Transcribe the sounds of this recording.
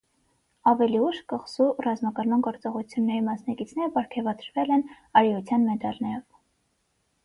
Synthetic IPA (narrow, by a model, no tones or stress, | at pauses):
ɑvɛliuʃkəχsurɑzmɑkɑɾmɑnɡɔɾt͡sɔʁut͡sʰjunːɛɾimɑsnɑkit͡sʰnɛɾəbɑɾkʰɛvɑt̪ɾvɛlɛn | ɑɾiut͡sʰjɑnmɛd̪ɑlnɑjɛv